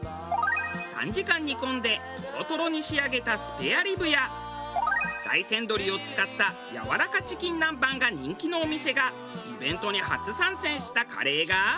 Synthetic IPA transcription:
sã̰ɲ̟d͡ʑikãɲ̟ːikõ̞nd̪e̞kʲibot̪o̞ɾo̞ɲ̟iɕiaɡe̞t̪asɨ̥peaɾʲibɯ̟ja | d̪̥a̰isẽ̞nd̪o̞ɾʲio̞t͡sɨ̥kat̪ːa | ja̰βa̰ɾakat͡ɕi̥kʲĩnːãmbãŋɡaɲ̟ĩŋkʲino̞ːmʲise̞ɡa | ibẽ̞nt̪o̞ɲ̟iha̰t͡sɨsãɰ̃sẽ̞ɰ̃ɕi̥t̪aka̰ɾe̞ːɡa

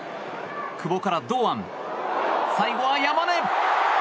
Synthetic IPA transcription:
kʰɯ̟bo̞kaɾad̪oːãn | sajɡoβajamane

